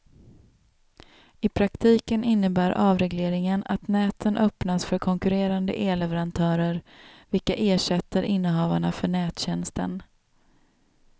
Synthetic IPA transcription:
ɪpʰɾakt̪ʰiːkənʔɪnːəbæːɾʔɑːvɾɛɡleːɾɪŋənat̪nɛːt̪ʰənʔœpnasfœɾkʰɔŋkɵɾeːɾand̪ə̰ʔeːlɛvəɾant̪ʰœːɾəɾvɪlkaʔeːʂɛt̪ːəɾʔɪnːəɦɑːvaɳafœɳɛːt̪ɕɛnst̪ə̰n

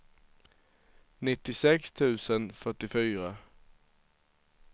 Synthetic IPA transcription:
nɪt̪ːɪsɛkst̪ʰʉ̟ːsənfœʈːɪfyːɾa

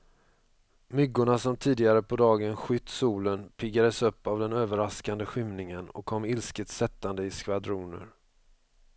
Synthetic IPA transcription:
mʏɡːʊɳasɔmt̪ʰiːd̪ɪɡaɾəpʰɔd̪ɑːɡənɧʏt̪ːsuːlənpʰɪɡːad̪əsɵpːavd̪ɛnøːvəɾaskand̪əɧʏmnɪŋənɔ̰kʰːɔmːɪlskət̪sɛt̪ːand̪əɪskvad̪ɾuːnə̰ɾ

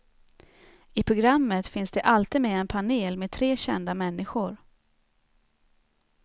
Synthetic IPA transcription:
ɪpʰɾʊɡɾamːət̪fɪnsd̪ɛʔalt̪iːd̪meːɛnpʰaneːlmeːd̪̚t̪ʰɾeːɕɛnd̪amɛnːɪɧʊɾ

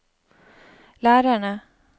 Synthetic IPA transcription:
læːɾaɳə

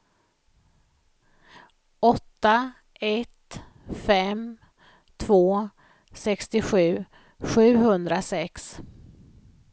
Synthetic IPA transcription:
ɔt̪ːa | ʔɛt̪ | fɛm | t̪ʰv̥oː | sɛkst̪ɪɧʉ̟ː | ɧʉ̟ːhɵnd̪ɾasɛks

